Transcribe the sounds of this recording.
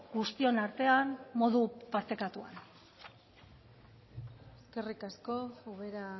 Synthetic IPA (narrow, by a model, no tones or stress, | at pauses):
ɡust̪io̞naɾt̪e̞anmo̞ðupaɾt̪e̞kat̪ua̰n | eske̞rikasko̞uβeɾa